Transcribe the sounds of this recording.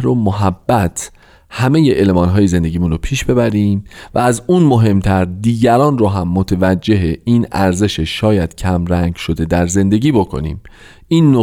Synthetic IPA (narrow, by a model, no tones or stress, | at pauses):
ɾomoɦæbːæt̪ʰ | hæme̞jeʔelmɒːnɦɒːjeze̞nd̪e̞ɟiːmunropʰiːʃb̥e̞bæɾiːmvææzunmo̞ɦe̞mt̪ʰæɾd̪iːɟæɾɒːnrɒːɦæmːot̪ʰe̞væd͡ʒːe̞ɦeʔiːnæɾze̞ʃeʃɒːjæd̪̥cʰæmɾæŋɡʃo̞d̪e̞d̪æɾze̞nd̪e̞ɟiːbo̞kʰo̞̰nḭːm | ʔiːnːo